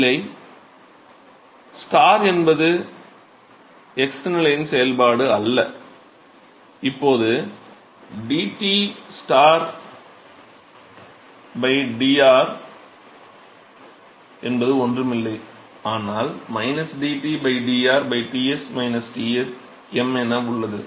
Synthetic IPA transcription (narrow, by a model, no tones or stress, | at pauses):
ɪːɐɪ | sʈaːɾɛnbɐðɯ | ɛksɛnɪlɐjɪnsɛjɐlpaːɽɯɐlːɐ | ɪpːoːðɯ | ɖiːʈisʈaːɾ | bɐɪɖiːaːɾ | ɛnbɐðɯɔndrɯmɪlːɐɪ | aːnaːlmɐɪnɐsɖiːʈibɐɪɖiːaːɾbɐɪʈiːɛsmɐɪnɐsʈiːɛs | ɛmɛnːɐʊɭːɐðɯ